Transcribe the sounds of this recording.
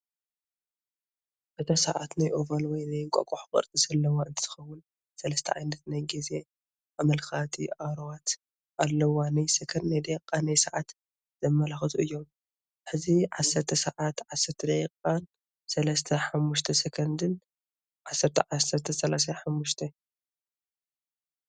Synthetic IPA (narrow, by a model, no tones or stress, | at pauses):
ʔɨt̪ʰosɐʕa̰t̪najʔovɐlwɔjnajŋkʼɐ̰kʼoħokʼɐ̰ɾt̪ʼisɐlːɐwaɨnt̪ʰɨ̥z̥ɨxɐwːʊn | sɐlɐst̪ʰɐʕajnɐt̪najɡize̞ | ʔamɐlkat̪ʰiʔaɾwat̪ | ʔalːɐwanajsɐkʰɐnnajd̪ejkʼːanajsɐʕat̪ | z̥ɐmːɐlaxɨt̪ʰuɨjːom | ħɨziʕasːɐɾt̪ʰɐsɐʕat̪ʕasːɐɾt̪ʰɐd̪ɐjkʼːan | sɐlɐst̪ʰɐħamːuʃt̪ʰɐsɐkʰɐnd̪ɨn | ʕasːɐɾt̪ʰɐʕasːɐɾt̪ʰɐsɐlas̬aħamːuʃt̪ʰɐ